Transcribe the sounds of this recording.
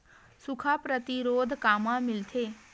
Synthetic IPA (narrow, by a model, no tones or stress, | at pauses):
sʊkʰapɾət̪ɪɾoːd̪ʱkaːmãmɪlt̪ʰeː